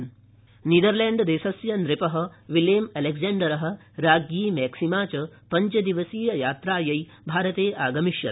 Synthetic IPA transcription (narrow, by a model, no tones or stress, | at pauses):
niːd̪ɐɾleːɳɖd̪eːsɐsjɐnɾɪpɐɦɐ̆ʋiljeːmɐleɡzeːɳɖɐɾɐɦɐ̆ | ɾaːɡjiːmɛːksimaːt͡ʃɐpɐɲt͡ʃɐd̪iʋɐsiːjɐjaːt̪ɾaːjɐj | bʱaːɾɐt̪eːʔaːɡɐmiʃjɐ̰ɾ